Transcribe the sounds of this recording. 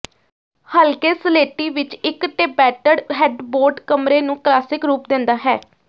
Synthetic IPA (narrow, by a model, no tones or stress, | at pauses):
həlkeːsəleːʈiːʋɪt͡ʃɪkʈeːbɛːʈəɖɦɛːɖboːɾɖkəmɾeːnũːklaːsɪkɾuːpd̪ɪ̃nd̪aːɦɛː